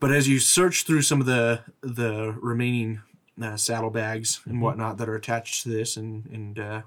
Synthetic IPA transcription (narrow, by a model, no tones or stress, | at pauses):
b̥ʌɾɨzjɨsɜ˞t͡ʃθɹʉsʌ̃mʌvðɨðɨɹɪmẽɪ̃nɪ̃ŋ | ʌsæɾl̩ˠbæɡz̥ɨ̃nwʌtⁿnət̪̚ðɨɾə˞ɨtʰæt͡ʃtʰɨðɪsɨ̃nɨ̃nʌ